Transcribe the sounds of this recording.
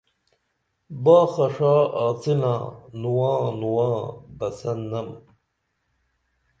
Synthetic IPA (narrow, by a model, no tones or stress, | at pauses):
baːχɐʂaːaːt͡sina̰ːnuwãːnuwaːbɐsɐnːɐm